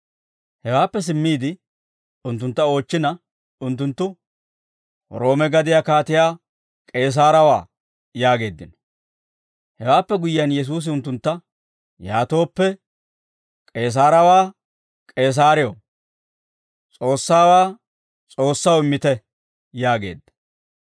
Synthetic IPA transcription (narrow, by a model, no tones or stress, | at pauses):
hɛwaːpːɛs̬ɪmːiːd̪ɪ | ʊnt̪ːʊnt̪ːɐo̞ːt͡ʃːɪnɐ | ʊnt̪̬ːʊnt̪ːʊ | ɾo̞ːmɛɡɐd̪ɪjaːkaːt̪ɪjaː | kʼe̞ːs̬aːɾɐwa̰ː | jaːɡe̞ːd̪ɪnɔ̥ | hɛwaːpːɛɡʊjjɐnjɛs̬uːs̬ɪʊnt̪ːʊnt̪ːɐ | jaːt̪o̞ːpːɛ | kʼe̞ːs̬aːɾɐwaː | kʼe̞ːs̬aːɾɪjo | t͡sʼo̞ːsːaːwaː | t͡sʼo̞ːsːɐwɪmːɪt̪ɛ | jaːɡe̞̰ːd̪ːɐ̥